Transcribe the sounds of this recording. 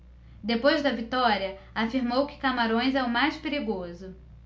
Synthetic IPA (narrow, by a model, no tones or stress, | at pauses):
d̪epojzd̪ɐvit̪ɔɾiɐ | afiɾmowkɪ̥kamaɾõj̃zɛʊmajspeɾiɡozʊ